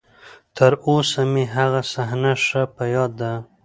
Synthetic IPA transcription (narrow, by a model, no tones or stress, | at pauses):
t̪ʰəɾosamiɦaɣasaɦnaʂəpəjɑd̪ːa